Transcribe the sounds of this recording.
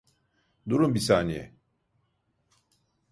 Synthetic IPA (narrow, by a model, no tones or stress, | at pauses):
d̪uɾumbisaːnijɛ̰